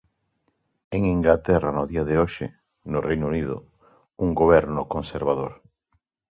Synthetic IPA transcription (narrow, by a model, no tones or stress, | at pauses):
eŋiŋɡlat̪ɛranʊðiaðeoʃɪ | nʊrejnuniðʊ̰ | uŋɡoβɛɾnʊkonseɾβaðoɾ